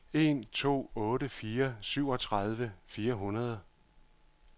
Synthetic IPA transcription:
e̝nt͡sʰo̝̰ːɔ̽ːɾəfiːɐsyʊ̰ɒ̽t͡sʰʁɑð̞ˠʋəfiːɐɦunɐð̞ˠ

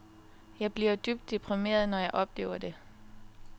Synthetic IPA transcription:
jɑ̈ɪb̥liɐd̥yb̥̚d̥ːipʰʁime̝̰ːɐð̞ˠnɒjɑ̈ɪʔɒ̽b̥le̝ːʊɐd̥e̝

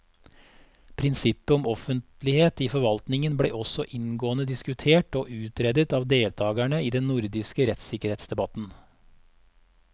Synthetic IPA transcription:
pʰɾɪnsɪpːəɔmɔfənt̪lɪheːt̪iːfɔɾʋɑlt̪nɪŋənblḛːʔɔsɔʔɪnɡoːənəd̪ɪskʉt̪ʰeːʈoːʔʉːt̪ɾɛd̪ət̪ɑːʋd̪eːlt̪ʰɑːɡæɳəiːd̪ɛnnʊɾd̪ɪskəɾɛt̪sɪkəɾheːt̪sd̪ɛbɑt̪n̩

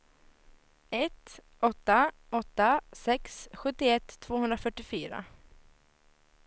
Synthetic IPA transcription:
ɛt̪ | ʔɔt̪ːa | ɔt̪ːasɛksɧɵt̪ːɪɛt̪ʰːv̥oːhɵnd̪ɾafœʈːɪfyːɾa̰

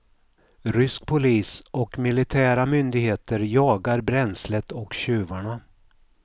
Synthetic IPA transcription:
ɾʏsk̚pʰʊliːsɔkmɪlɪt̪ʰæːɾamʏnd̪ɪɡheːt̪əɾjɑːɡaɾbɾɛnslət̪ɔkɕʉ̟ːvaɳa

